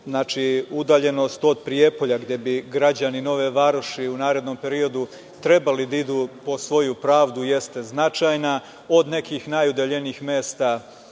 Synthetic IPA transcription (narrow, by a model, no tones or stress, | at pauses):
znaːt͡ʃiud̪aːʎe̞no̞st̪o̞d̪̚pɾije̞po̞ʎaɡd̪je̞biɡɾad͡ʑanino̞ʋeʋaɾoʃiunaːɾe̞d̪no̞mpe̞ɾio̞d̪u | t̪ɾe̞balid̪aid̪upo̞sʋo̞jupɾaːʋd̪uje̞st̪e̞znat͡ʃajna | o̞d̪ne̞kiːxnajud̪eʎe̞niixme̞ːst̪a